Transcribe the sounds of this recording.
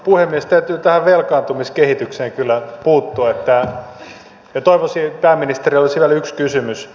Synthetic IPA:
puhemːiest̪æyt̪yːt̪æhæʋʋelkɑːnt̪umiskehit̪ykseːŋkylːæpuːt̪ːuɑet̪ːæ | jɑt̪oiʋosipæːmːinist̪eriolsiʋælykskysymys

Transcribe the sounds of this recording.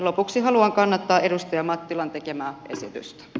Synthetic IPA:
lo̞puksiɦɑluɑŋkɑnːɑt̪ːɑːʔe̞dust̪ɑjɑmɑt̪ːilɑnt̪e̞ke̞mæːʔe̞sit̪y̰st̪æ̥

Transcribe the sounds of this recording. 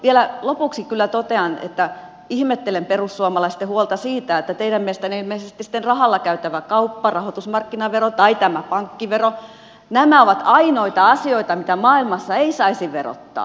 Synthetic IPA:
ʋielælopuksikylːæt̪ot̪eɑnḛt̪ːæ | ihmet̪ːelemperusːuomɑlɑist̪ehuolt̪ɑsiːt̪æet̪ːæt̪eiɾæmiest̪ænihmeisest̪isi̥t̪ːenrɑhɑlːɑkæyt̪æʋækɑupːɑrɑhot̪usmɑrkːinɑʋerot̪ɑit̪æmæpɑŋkːiʋero | næmæoʋɑt̪ɑinoit̪ɑɑsioit̪ɑmit̪æmɑːilmɑsːɑeisɑisiʋero̰t̪ːɑ̰ː

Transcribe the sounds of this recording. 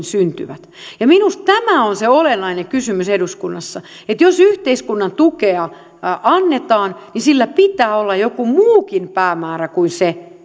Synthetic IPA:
nsynt̪y̰ʋæt̪jɑminust̪t̪æmæonseolenːɑinekysymyseduskunːɑsːɑ | et̪josyht̪eiskunːɑnt̪ukeɑ | ʔɑnːet̪ɑːnnisilːæpit̪æːolːɑjokumuːkinpæːmæːrækuinse

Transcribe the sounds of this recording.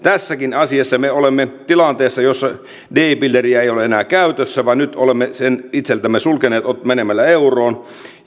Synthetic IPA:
t̪æsːækinɑsiɑsːɑmeolemːet̪ilɑnt̪eːsːɑjosːɑ | deipilːeriæejoleenæːkæyt̪øsːæʋɑnyt̪olemːesenit̪selt̪æmːesulkeneːt̪otmenemælːæeuroːn

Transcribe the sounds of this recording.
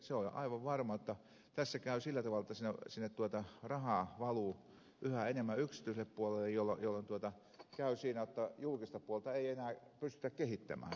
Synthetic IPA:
seoɑ̰iʋɑʋʋɑrmɑjot̪ːɑ | t̪æsːækæˑysilːæt̪ɑʋɑlĕt̪ːɑsinːesinːett̪uot̪ɑrɑhɑˑʋɑlu | ʔyhæenemːæyksit̪yiselːeppuolelːejjolːojolːont̪uot̪ɑ | kæˑysiːnæjot̪ːɑjulkist̪ɑpuolt̪ɑeienæːpyst̪y̥̆t̪ækkehit̪ːæ̰mæ̰ː

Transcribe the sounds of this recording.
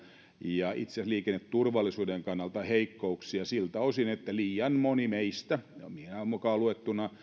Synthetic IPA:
jɑʔit̪seæsliːkenːet̪t̪urʋɑlːˑisuːdeŋkɑnːɑlt̪ɑheikːouksiɑsilt̪æosinet̪ːæliːɑnmonimeist̪æminæomukɑːluet̪ːunɑ

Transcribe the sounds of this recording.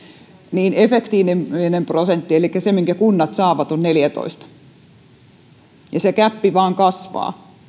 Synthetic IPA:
niːnefekt̪iːnemʋinemprosent̪ːielikːæsemiŋkækunːɑt̪sɑːʋɑt̪onneljæt̪o̰ist̪ɑ̥ | jɑsekæpːiʋɑːŋkɑsʋɑ̰ː

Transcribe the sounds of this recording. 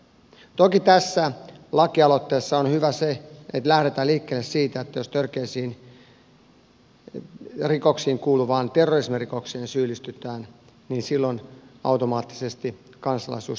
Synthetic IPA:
t̪okit̪æsːælɑkiɑlot̪ːeːsːɑonhyʋæseet̪læhɾet̪æliːkːelːessiːt̪æet̪ːæjo̞st̪ørkeːsiːn | riko̞ksiːŋkuːluʋɑːnt̪erːorismirikoksieːnsyːlːist̪yt̪æːn | niːnsilːonɑ̰wt̪omɑːt̪ːi̥sest̪i | kɑnsɑlɑ̰isuːs

